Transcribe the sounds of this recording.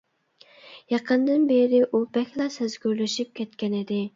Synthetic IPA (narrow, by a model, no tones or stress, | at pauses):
jɑqʰənd̪ɨnbeɾɪʔubɛkʲlˠɑsɪzɡʲyɾlɪʃyp̚kʲʰɛt̪kʲɛnɪd̪ɪ